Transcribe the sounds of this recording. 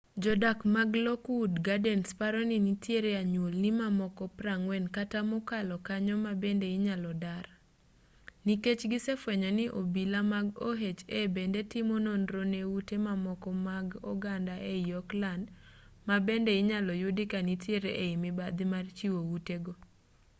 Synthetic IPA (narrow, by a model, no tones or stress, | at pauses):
d͡ʒɔdakmaɡlɔkudɡadɛnspaɾɔninitjeɾeaɲwolnɪmamɔkɔpɾaŋwɛnkatamɔkalɔkaɲɔmabendeɪɲalɔdar | niket͡ʃɡɪsefwɛɲanɪʔobilamaɡoɦet͡ʃebendetɪmononɾonewutemamɔkɔmaɡɔ̰ɡandaʔejjɔklandmabendeɪɲalɔjudɪkanitjeɾeʔeimɪbad̪ɪmart͡ʃiwowuteɡo